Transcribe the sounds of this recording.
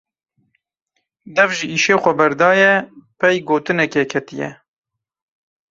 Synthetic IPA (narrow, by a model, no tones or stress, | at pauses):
d̪ɛvʒiʔiːʃeːxʷɛbɛɾd̪ɑːjɛpʰɛjɡoːt̪ɨnɛkɛkʰɛt̪ijɛ̰